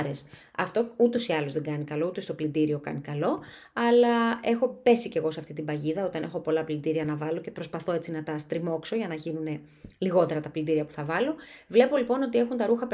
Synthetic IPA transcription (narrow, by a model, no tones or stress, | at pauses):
ɾes | ɐ̰ft̪o̞ut̪o̞siɐlo̞zðeŋɡɐnikɐlo̞ut̪o̞st̪o̞plind̪iɾio̞kɐ̰nikɐlo̞ | ɐlɐe̞xo̞pe̞sice̞ɣo̞seɐft̪it̪imbɐʝiðɐo̞t̪ɐne̞xo̞po̞lɐplind̪iɾiɐnɐvɐlo̞ce̞pɾo̞spɐθo̞et͡sinɐt̪ɐst̪ɾimo̞kso̞ʝɐnɐʝinune̞ | liɣo̞t̪e̞ɾɐt̪ɐplind̪iɾiɐpu̥θɐvɐlo̞vle̞po̞lipo̞no̞t̪ie̞xunt̪ɐɾuxɐp